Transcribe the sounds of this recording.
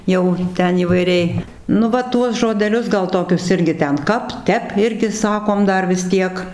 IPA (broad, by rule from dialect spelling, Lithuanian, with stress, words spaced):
ˈjɛʊ ˈtʲɛn iːʋɐɪˈrʲɛɪ nʊ ˈʋɐ ˈtuɔs ʒoːdʲɛˈlʲʊs ˈɡɐlˠ ˈtoːkʲʊs ˈɪrʲɡʲɪ ˈtʲɛn ˈkɐp ˈtʲɛp ˈɪrʲɡʲɪ ˈsɑːkoːm ˈdɐr ʋʲɪs ˈtʲiɛk